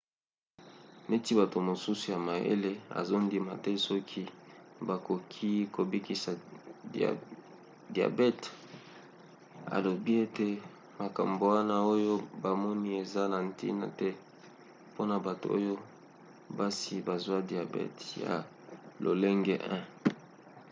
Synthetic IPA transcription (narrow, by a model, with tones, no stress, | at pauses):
ne˦ti˦ba˨to˨mo˨su˦su˨ja˨ma˨jḛ˦le˦a̰˨zo˦ndi˨ma˨tɛ˦sɔ˦kʰi˦ba˨ko˨kʰi˦ko˨bi˦ki˨sa˨da̰˨ | di˨a̰˨bɛ˦t | a̰˨lo˨bi˦e˦te˨ | ma˨ka˨mbo˨wa˦na˦o˦jo˦ba˨mɔ˦ni˦e˨za˦na˨ntḭ˦na̰˨tɛ˦ | po˦na˨ba˨to̰˨o̰˦jo˦ | ba˦si˨ba˨zwa˦di˨a˨bɛ̰˦tja̰˨ | lo̰˨le˦ŋɡɛ˦ʔɛ̃˦